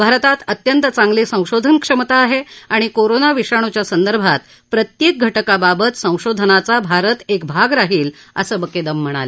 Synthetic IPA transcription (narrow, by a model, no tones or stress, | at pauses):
bʱaɾət̪at̪ət̪jənt̪ət͡sãŋɡliːsə̃w̃ɕod̪ʱənkʂəmt̪aːɦeaɽ̃ikoɾonaʋiʂaɳ̃ut͡ɕjasənd̪əɾbʱat̪ | pɾət̪jek̚ɡʱəʈəkababət̪sə̃w̃ɕod̪ʱənat͡sabʱaɾət̪ekbʱaɡɾaɦiːl | ə̰səːbəked̪əm̤ːəɽ̃a̰le